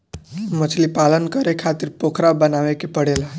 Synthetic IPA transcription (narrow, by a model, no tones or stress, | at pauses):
mət͡ʃʰlipalənkəɾekʰat̪iɾpokʰɾabənaʋekepəɽelaɦ